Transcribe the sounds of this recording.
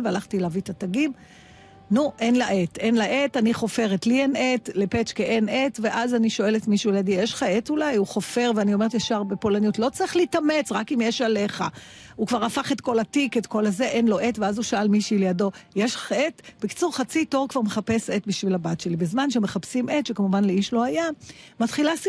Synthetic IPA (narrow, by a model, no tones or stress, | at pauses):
lvealaχtilavit̪ataɡim | nuʔenlaʔete̞nlaʔetaniχo̞fe̞ʁetlienetlepet͡ʃkeʔene̞tve̞ʔazaniʃo̞e̞letmiʃulejadijeʃχaetulajuχo̞fe̞ʁveanio̞me̞et̪jaʃaʁbepo̞lanijutlo̞t͡sʁiχliːtamet͡sʁakimjeʃale̞χa̰ | ukvaʁafaχe̞tko̞latiketko̞laze̞ʔenlo̞ʔetveazuʃaalmiʃilejado̞jeʃaetb̥eki̥t͡suʁχat͡sito̞ʁkv̥aʁme̞χape̞setbiʃvilabatʃe̞libezmanʃeme̞χapsimetʃekamuvanleiʃlo̞ajamat̪χilas